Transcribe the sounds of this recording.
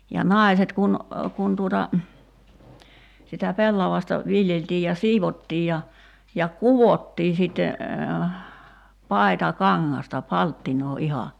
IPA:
jɑ nɑˑi̞set kun kun tuotɑ sitæ pelːɑʋɑstɑ ʋiljeltiː jɑ siːʋotːiː jɑ jɑ kuʋotːiː sitːe pɑitɑkɑŋːɑstɑ pɑltːinoː ihɑ

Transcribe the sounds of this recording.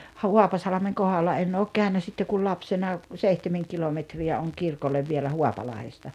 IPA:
huɑpɑsɑlɑ̆meŋ kohɑlːɑ en oːk kæˑønæ sitːe kul lɑpsenɑ seihtemeŋ kilometriæ oŋ kirkolːeʋ ʋielæ huɑpɑlɑhestɑ

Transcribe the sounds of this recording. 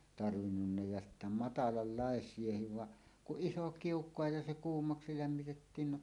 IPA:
tɑrʋinːunːɑ jɑ sitːæ mɑtɑlɑlːɑˑesˑiehiʋ ʋɑ kuʔ ʔiso kiukˑoɑ jɑ se kuːmːɑksi læmːitetːiːn no

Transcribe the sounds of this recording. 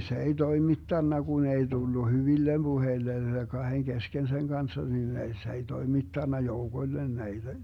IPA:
se ei toimitːɑnːɑ ɡ̊un ei d̥ulːu hyʋilːem b̥uheilːen kɑheŋ kesken seŋ ɡ̊ɑnsːɑ nin ei s ei toimitːɑnːɑ joukoĭlːen næid̥æ

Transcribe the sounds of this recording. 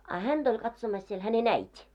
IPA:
ɑ hænd̥ olʲ kɑtsomɑs siel hænen æitʲi

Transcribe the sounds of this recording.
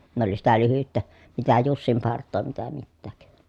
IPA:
ne oli sitæ lyhytːæ mitæ jusːimpɑrtˑoː mitæ mitːæːk

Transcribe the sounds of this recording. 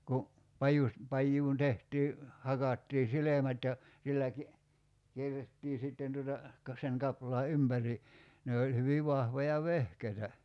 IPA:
ku pɑjus pɑjːuːn tehtiː hɑkɑtːiː silemæt jɑ silːæ ki kierːetːiː sitːen tuotɑ kɑ seŋ kɑplɑː ympæri ne olʲ hyʋi ʋɑhʋojɑ ʋehkeitæ

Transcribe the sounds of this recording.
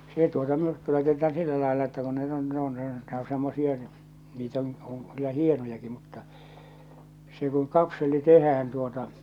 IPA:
se tuotɑ myrkːy lɑitetˑɑːn silːæ lɑˑelːɑ etːæ kun ne on ne on ne o semːosie niːt on oŋ kylːæ hienojɑki mutːɑ se kuŋ kɑpselːi tehæːn tuotɑ

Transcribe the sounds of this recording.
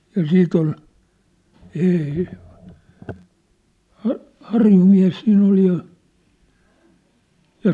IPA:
jɑ siːt ol eːe hɑ hɑrjumiæ̝s siːnˑ ol jɑ jɑ

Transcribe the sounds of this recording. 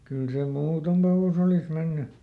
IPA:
kyl se muːton ɑlus olih menːy

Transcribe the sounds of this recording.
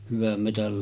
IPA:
hyʋæm metæl

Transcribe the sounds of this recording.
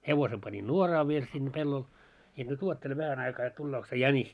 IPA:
heʋose pɑni nuorɑː ʋiel sinːe pelːol jɑ nyt uotːele ʋæhæn ɑikɑː jot tulːoːk se jænis

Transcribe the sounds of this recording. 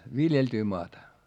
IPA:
ʋiljeltyː moɑtɑ

